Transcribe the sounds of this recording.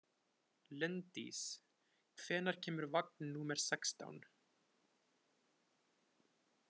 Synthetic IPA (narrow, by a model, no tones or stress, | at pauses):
lɛnt̪ḭs | kʰvɛːnaɾ̥cʰɛːmʏɾvak̚nnuːmɛɾ̥sɛkst̪a̰wn